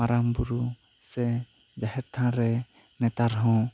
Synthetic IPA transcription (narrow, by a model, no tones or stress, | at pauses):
maɾambuɾusɛd͡ʒaɦɛɾt̪ʰãɾɛnɛt̪aɾɦɔ̃